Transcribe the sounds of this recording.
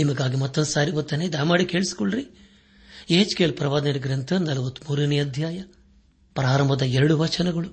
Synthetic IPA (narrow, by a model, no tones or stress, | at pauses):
nimɐɡaːɡimɐt̪ːɐnd̪saːɾiʋɐt̪ːɐneid̪aːmaːɽike̞ːɭisi̥koɭɾi | eːd͡ʒkelpɾɐʋaːd̪ɐniɡɾɐnt̪ʰɐnɐlɐʋɐt̪ːmuːɾɐniɐd̪ʱjaːjɐ | pɾaːɾɐmbʱɐd̪ɐɛɾɐɽuʋɐt͡ʃɐnɐɡɐɭu